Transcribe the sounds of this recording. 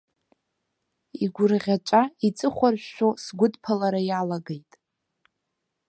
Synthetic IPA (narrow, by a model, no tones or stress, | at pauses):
iɡʷʊrʁʲat͡ʃʷʼait͡sʼɨχʷarʒʷᶣːosɡʷʊdpʰalaɾajalaɡejtʼ